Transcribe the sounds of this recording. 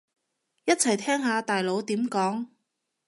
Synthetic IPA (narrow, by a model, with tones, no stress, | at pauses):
jɐ˥t̚t͡sʰɐ˨˩jt̪ʰɛː˥ŋhaː˨˧t̪aː˨jlo˨˧˥wt̪iː˨˥mkɔː˨˥ŋ